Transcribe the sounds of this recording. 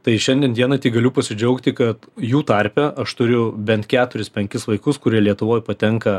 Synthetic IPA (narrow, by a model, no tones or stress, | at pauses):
t̪ɐɪʃʲɛnʲd̪ʲiɛnd̪ʲiɛnɐt̪ʲiːɡɐlʲʊpɐsʲɪd͡ʒʲɛʊkt̪ʲɪkɐt̪juːt̪ɐɾʲpʲɛʔɐʃt̪ʊɾʲʊbʲɛnt̪kʲæːt̪ʊɾʲɪspʲɛŋʲkʲɪsʋɐɪkʊskʊɾʲiɛlʲiɛt̪ʊʋoːjpɐt̪ʲɛŋkɐ